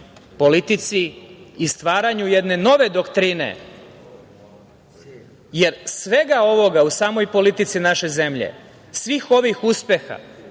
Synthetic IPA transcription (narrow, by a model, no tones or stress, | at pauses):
po̞lit̪it̪siist̪ʋaːɾaɲuje̞d̪ne̞no̞ʋe̞d̪o̞kt̪ɾinḛ | je̞ɾsʋe̞ɡao̞ʋo̞ɡausaːmo̞jpo̞lit̪it̪sinaʃe̞ze̞mʎḛ | sʋixo̞ʋixuspe̞xa̰